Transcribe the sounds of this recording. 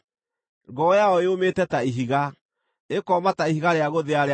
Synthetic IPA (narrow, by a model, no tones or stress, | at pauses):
ŋɡɔjaɔeometɛtaiɦiɣa | ekɔmataiɦiɣaɾeaɣoðeaɾe